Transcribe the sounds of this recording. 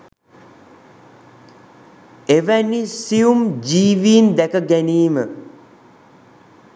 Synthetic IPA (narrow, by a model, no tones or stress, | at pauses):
eʋænisiumd͡ʒiːʋiːnd̪ækəɡæniːmə